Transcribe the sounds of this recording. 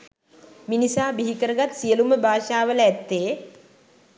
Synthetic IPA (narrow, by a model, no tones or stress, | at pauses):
minisaːbiɦikəɾəɡat̪sijəluməbʱaːʃaːʋələæt̪ːeː